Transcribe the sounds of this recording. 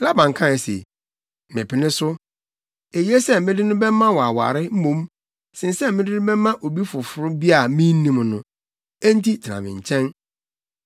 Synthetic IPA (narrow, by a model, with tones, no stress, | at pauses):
la˦bã˨ŋ˨kʰã˦ɛ˨sḛ˨ | mɪ̃˨pʰɪ˨nɪ̃˦sʊ˦ | e˨je˦sɛ˦mɪ̃˦dɪ˦nʊ̃˦bɛ˦mã˦wɔ˨a˨wa̰˨ɾɪ˦m̩˦mõ˨˦m | sɪ̃˨n˦sɛ˦mɪ̃˦dɪ˦nʊ̃˦bɛ˦mã˦ʔo˨bi˦fʊ˨fʊ˨ɾʊ˦bi˦a˨mĩ˦n˦nĩ˦mnʊ̃˦ | ɛ˦n̩˦ti˦tʰɪ˨nã̰˨mɪ̰̃˨ɲ˨t͡ɕʰɛ̃˦n